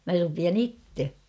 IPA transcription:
mæ rupiɑn itːe

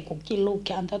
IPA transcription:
kukːiːl luk jɑ ɑnto

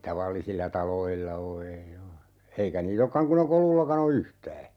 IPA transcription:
tɑʋɑlːisilːɑ tɑloilːɑ o ei oː eikæ niːt okːɑŋ kun e kolulːɑkɑn o yhtæː

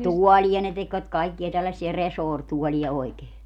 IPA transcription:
tuɔlʲiɑ ne tekʋæt kɑikːiɑ tælːæsːiæ resoːrtuɔliɑ oikeː

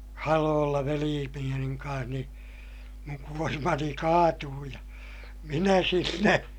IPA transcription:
hɑloːlːɑ ʋeliː penijɑmiŋ kɑ̃ːh niː muŋ kuormɑni kɑːtuː jɑ minæ sinːe

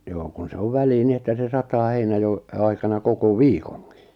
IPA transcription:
joː kun se oʋ ʋæliː ni etːæ se sɑtɑː heinɑjo ɑikɑnɑ koko ʋiːkoŋki̥

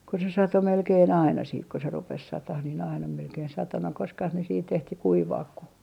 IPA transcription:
ko se sɑto melkeːn ɑinɑ siːt ko rupes sɑtɑh niːn ɑinɑ melkein sɑto no koskɑh ne siːt ehti kuiʋɑːk ku

